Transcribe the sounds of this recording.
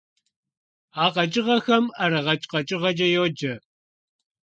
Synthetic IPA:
aːqɐt͡ʃʼɪʁɐxɐmɐɾɐʁɐt͡ʃʼqɐt͡ʃʼɪʁɐd͡ʒʼɐjoːd͡ʒɐ

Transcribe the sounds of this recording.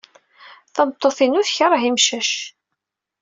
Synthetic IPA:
θəmt̪ˤːoθinuθçəɾˤəɦimʃæʃ

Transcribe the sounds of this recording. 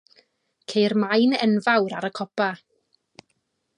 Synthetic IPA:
kʰejrmajnɛnvawɾaɾəkʰɔpa

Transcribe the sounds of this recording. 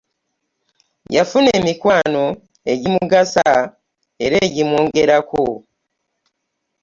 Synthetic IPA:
jafune̞ːmikwaːno̞ | e̞ɟimuɡasa | e̞ɾe̞ːɟimwoːŋɡe̞ɾako

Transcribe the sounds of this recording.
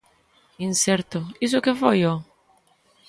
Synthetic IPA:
insɛɾt̪ʊis̬ʊkefɔjo

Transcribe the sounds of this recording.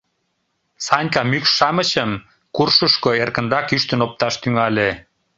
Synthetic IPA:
sɑnʲkɑmykʃɑməɕəm | kurʃəʃkoerkə̆nrɑkyʃt̪ənop̚t̪ɑʃt̪yŋɑle

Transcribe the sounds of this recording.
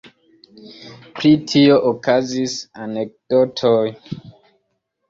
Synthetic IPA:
pɾitʰioʔokʰazisanek̚d̥otʰoj

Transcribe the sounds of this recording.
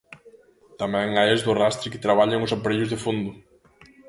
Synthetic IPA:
t̪amɛ̃ŋajezðʊrast̪ɾɪkɪ̥t̪ɾaβ̞aʎaŋʊsapaɾeʎʊzðɪfond̪ʊ

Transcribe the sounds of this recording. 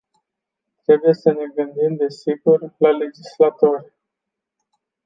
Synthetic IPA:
t̪ɾe̞buje̞səne̞ɡɨnd̪imd̪e̞siɡurʲlale̞d͡ʒislat̪o̞rʲ

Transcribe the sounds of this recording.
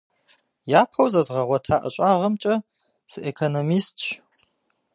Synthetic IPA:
jaːpʰɐwzɐzʁɐʁʷɔtʰaːʔɐ̰ɕʼaːʁɐmt͡ʃʼɐ | sɨʔekʰonomiːstʼt͡ʃ

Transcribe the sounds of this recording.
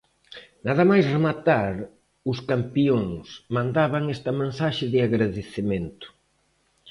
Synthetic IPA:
naðɐmajsremat̪aɾ | ʊskampioŋsmãnd̪aβɐŋɛst̪ɐmẽnsaʃɪðɪaɣɾaðeθemẽnt̪ʊ̥

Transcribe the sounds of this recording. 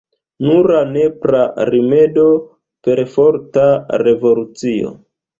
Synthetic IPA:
nuɾane̞pɾaɾime̞do̞ | pe̞ɾfo̞ɾtaɾe̞vo̞lut͡sio̞̰

